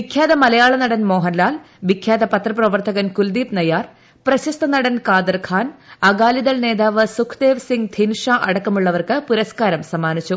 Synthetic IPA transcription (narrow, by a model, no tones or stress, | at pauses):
ʋikʰjaːd̪ɐmɐlɐjaːɭɐnɐɽɐnmo̞ːɦɐnlaːl | ʋikʰjaːd̪ɐpɐt̪rɐprɐʋɐrt̪ɐɣɐnkuld̪iːpnɐjaːr | prɐɕɐst̪ɐnɐɽɐnkaːd̪ɐrkʰaːnɐɡaːlid̪ɐlne̞ːd̪aːʋɨsukʰd̪eːʋsiŋɡd̪ʱʰinʂaːʔɐɽɐkːɐmuɭːɐʋɐrkɨpuɾɐskaːɾɐmsɐmaːnit͡ɕːu